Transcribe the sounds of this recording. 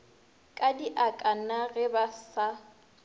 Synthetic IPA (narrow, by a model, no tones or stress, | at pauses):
kʼadiʔakʼanaɣɛbasa